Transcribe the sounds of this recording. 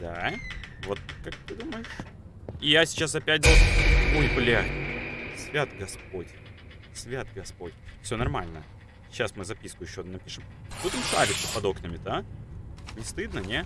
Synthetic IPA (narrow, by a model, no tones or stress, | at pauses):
d̪̥avo̞t̪̚kak̚t̪ɨd̪uməjɪʂ | ijasʲɪ̥t͡ɕasɐpʲæt̚ʲd̪oojblʲa | sʲvʲat̪ɡɐspo̞tʲ | sʲvʲat̪̚ɡɐspo̞tʲfsʲonɐrmalʲnə̰ | ɕːasmɨzɐpʲiskʊjɪɕːod̪nɐpʲiʂɨmt̪ut̪ɨmʂa̰ɾʲɪt̪sə̥pɐd̪o̞knʲəmʲɪt̪a | nʲɪst̪ɨd̪nənʲe